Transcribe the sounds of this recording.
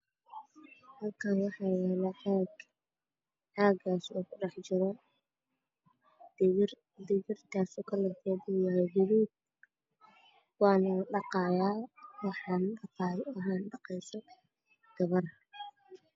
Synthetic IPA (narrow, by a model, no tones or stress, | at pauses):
hɐlkʰaːnwɑħɑːwɛlɐħaɡ | ʕaːɡaːsɔːkʰʊrɑħt͡ʃɪɾɔ | d̪ɪɣɪrt̪ʰaːsɔkʰɐlɐfɔːdɛjajɪɾuːb̚ | wɑːnɐɖɑqɑːjaːwɑħɑːnɖɑqɑːjɐɦaːnɖɑqɛjsɔ | ɡ̥ɐβɐr